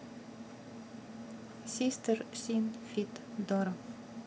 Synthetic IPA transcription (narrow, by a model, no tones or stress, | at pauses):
sist̪əɾsinfit̪d̪ɔɾɔ